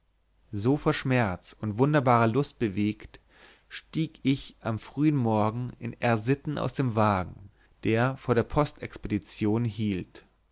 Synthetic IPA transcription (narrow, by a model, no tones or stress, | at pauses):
zoːfoːɐʃmɛɐt͡sʊntvʊndɐbaːʁəlʊst̚b̥əveːkt | ʃtiːkɪçʔamfʁ̥yːənmɔɐɡŋ̩ɪ̰nɛɐzɪtn̩ʔa̰ʊsd̥eːmvaːɡŋ̩ | d̥eːɐfoːɐɾdeːɐpʰɔstɛkspedit͡sjoːnɦiːlt